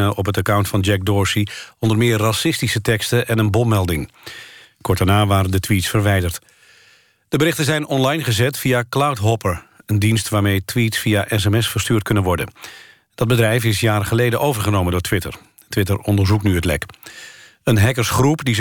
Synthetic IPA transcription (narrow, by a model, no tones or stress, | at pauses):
əʔɔpɦətakawntfɑnd͡ʒɛk̚dɔːɹsiɔndəɹmɪːrːɑsɪstisətɛkstəʔɛnənbɔpmɛlˠdɪŋ | kɔɹ̚d̥aɹnaːʋaːɾəndətʋitsfəɹʋɛjdəɹt | d̥əbəɾɪχtəzɛjnɔnlɑjnχəzɛtfijaklawtɦɔpəɹəndinstʋaːɹmejtʋitsfiaʔɛs̬ɛmɛsfəɹstyːɹt̚kɵnənʋɔɹdə̰n | d̥ɑd̚bədrɛjfɪsjaːɾəχəlejdənʔowvəɹχənowməndʊːɹtʋɪtə̰ɹ | tʋɪtəɹɔndəɹzuknyɦətlɛ̰k | ənɦɛkəɹsχrupdi